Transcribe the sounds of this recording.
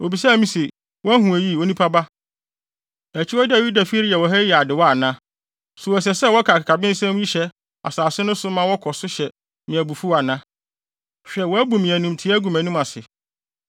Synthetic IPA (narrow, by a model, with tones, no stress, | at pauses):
o˨bi˨sa˦˨mĩ˦se˨ | wɔ˦æ˦hũ˨æ˨ji˦˨wo˦nĩ˦pʰa˦ba˦ | æ˨t͡ɕʰi˦ɔ˦da˨ju˦da˨fi˦ɾɪ˦jɛ˨wɔ˨ɦɛ˦jɛ˨a˨dɪ˨wɔ˦a˨nã˦ | sʊ˨ɔ˨s̬ɛ˨sɛ˦˨wɔ˦kʰa˨ka˨kʰa˨bɪ̃˦n̩˦sɛ̃˦m˦ji˦ɕɛ˦ | a̰˨saː˨sɪ˦nʊ̃˦sʊ˦mã˦wɔ˦kʰɔ˨sʊ˦ɕɛ˨ | mĩ˨æ˨bu˨fu˦a˨nã˦ | ɕᶣɛ˨wɔ˨˦æ˦bu˨mĩ˨æ˨nũ˨mtʰi˦æ˦ɡu˨mæ̃˨nũ˦mã˨sɪ˨